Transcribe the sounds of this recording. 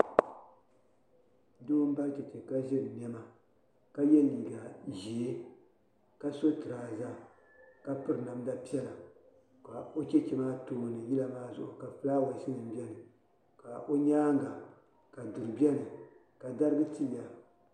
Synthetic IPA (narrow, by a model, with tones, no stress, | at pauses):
doː˦m˦ba˦t͡ʃɛ˨t͡ʃɛ˨ka˦ʒɛ˦ɾɨ˨m˦ɛ˦ma˨ | ka˦jɛ˦liː˨ɡa˨ʒi˨e˦ | ka˦so˦tɨ˨ɾaː˨za˦ | ka˦pɨ˦ɾna˨mda˦pi˦ɛ˦la˨ | ka˨o˦t͡ʃɛ˦t͡ʃɛ˨maː˦to˨m˨nɨ˨ji˦la˦maː˦zʊ˦ʔʊ˨ka˨fɨ˦laː˦wa˨ʃi˦nɨ˨m˦bi˦ɛ˦nɨ˨ | ka̰˨ʔo˦ɲaː˦ŋɡa˨ | ka˨du˨ɾɨ˨bɛ˦nɨ˨ | ka˨da˦ɾɨ˦ɡɨ˦ti˦a˨